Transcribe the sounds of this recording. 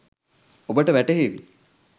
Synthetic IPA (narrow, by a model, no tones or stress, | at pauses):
obəʈəʋæʈeɦeʋḭ